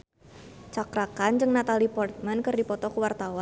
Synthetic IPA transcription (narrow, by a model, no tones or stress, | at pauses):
t͡ʃakɾakand͡ʒɨŋnat̪alipɔrt̪̚mɛnkɨrdipɔt̪ɔkuwart̪awa